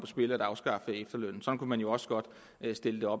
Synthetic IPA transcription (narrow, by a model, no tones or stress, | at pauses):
pʰɒsb̥e̝ləæɾ̥ɑ̈ʊsɡ̥ɑ̈fəefd̥ɐløn̰n̩sɒ̽n̩kʰumænjo̝ɒ̽sə̥ɡ̥ɒ̽d̥ | sd̥e̝ləd̥e̝ɒ̽b̥